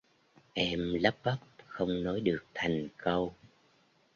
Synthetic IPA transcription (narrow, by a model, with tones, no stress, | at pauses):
ʔɛ˧mlə˦˥p̚ɓə˦˥p̚xə˧wŋ͡mnɔ˨˦jɗɨ˨˩ək̚t̪ʰa˨˩jŋ̟kə˧w